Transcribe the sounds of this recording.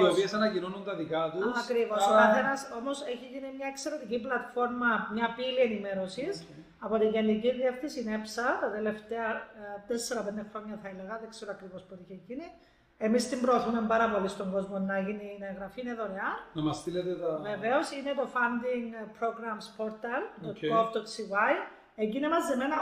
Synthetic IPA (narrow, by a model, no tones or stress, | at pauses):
iopiesɐnɐcino̞nunt̪ɐðikɐt̪uɐkɾivo̞skɐenɐso̞mo̞se̞çiʝinimɲɐekse̞ɾe̞t̪iciplɐt̪fo̞ɾmɐmɲɐpilienime̞ɾo̞sis | ɐpo̞t̪iɲʝenːiciðieft̪isinepsɐt̪ɐt̪ele̞ft̪e̞ɐt̪esːeɾɐpend̪exɾo̞ɲːɐθɐeleɣɐðekse̞ɾoɐkɾivo̞spot̪içeʝini | e̞mist̪imbɾoθumembɐɾɐvo̞list̪o̞ŋɡo̞zmonːɐeʝinineɣɾɐfiːneðo̞ɾeɐnɐmɐst̪ilet̪et̪ɐve̞ve̞o̞sine̞t̪o̞fɐnd̪iŋpɾo̞ɡɾɐmspo̞ɾt̪ɐlt̪oop̚d̪ot̪sivaj | eɲɟinimɐzemenɐ